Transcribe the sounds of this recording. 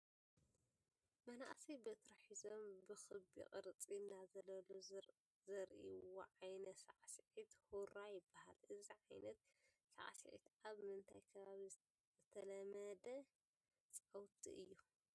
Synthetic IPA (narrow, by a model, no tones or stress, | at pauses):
mɐna̰ʔsibɨt̪ʰɾɐħizo̞mbɨxɨbḭqʼɨɾt͡sʼinːazɐlɐlo | zɐɾʔiwwoʕajnɐt̪saʕsiʕit̪huɾajɪbːaha̰lʔɨziʕajnɐt̪̚ | sa̰ʕsiʕḭt̪aβmɨnt̪ʰajkʰɐβaβi | zɨt̪ʰɐlɐmɐd̪ɐ | t͡sʼɐwt̪ʰʼḭʔɨjːu